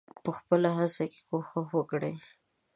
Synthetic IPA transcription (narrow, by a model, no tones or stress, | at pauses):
pəxpəlaɦasake̥koxəxwəkɽe